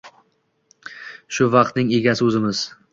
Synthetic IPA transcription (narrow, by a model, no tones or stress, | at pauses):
ʃʊvɑq̚t̪nɪŋeɡʲasɪɵzɪmɪz̥